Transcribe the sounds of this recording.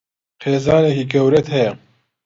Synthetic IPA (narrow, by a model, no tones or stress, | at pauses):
xeːzaːnehiːkɛwɾɛt̪hɛjɛ